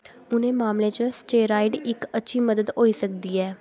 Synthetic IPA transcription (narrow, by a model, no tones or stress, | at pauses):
ʊnẽːmaːmlẽːt͡ʃəsʈeːɾaːiɖɪkətːʃʰiːməd̪əd̪ɦoːiːsəkd̪iːɛː